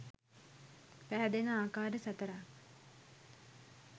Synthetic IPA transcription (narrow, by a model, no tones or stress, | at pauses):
pæɦæd̪enəaːkaːɾəsat̪əɾa